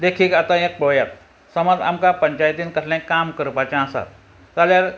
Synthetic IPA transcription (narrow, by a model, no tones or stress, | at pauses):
d̪ekʰiːkat̪ãek̚pəjat̪̚ | səməd͡za̰mkapəɲt͡ɕajt̪iːnkəɾlɛ̃kamkəɾpat͡ɕãə̃sa̰t̪̚ː | aljaɾ